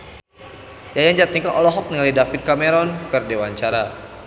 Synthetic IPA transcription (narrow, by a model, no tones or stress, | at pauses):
jajaɲd͡ʒat̪iŋkaʔɔlɔɦɔk̚nəŋalidafit̪̚kameɾɔnkərdewaɲt͡ʃaɾa